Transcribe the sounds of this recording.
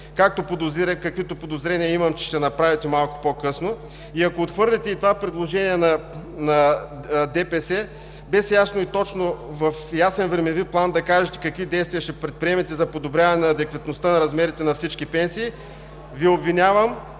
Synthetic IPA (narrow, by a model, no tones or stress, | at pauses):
kak̚t̪opod̪ozɛkɐkvit̪opod̪ozɾɛniɐimɐmt͡ʃɛ̥ʃt̪ɛnɐpɾavit̪ɛmalˠko̥pokɤsno | iɐkoːt̪xvɤɾlʲɛt̪ɛit̪ovapɾɛd̪lˠoʒɛniɛnɐnɐd̪ɛpɛsɛ | bɛsjasnoit̪ɔt͡ʃnovɐfjasɛnvɾɛmɛviplˠand̪ɐkaʒɛt̪ɛ̥kɐkvid̪ɛjst̪viɐʃɛpɾɛt̪̚pɾʲiɛmɛt̪ɛzɐpod̪obɾʲjavɐnɛnɐːd̪ɛkvɐt̪nost̪anɐɾɐzmɛɾit̪ɛnɐfsit͡ʃkipɛnsiː | viobvinʲavəm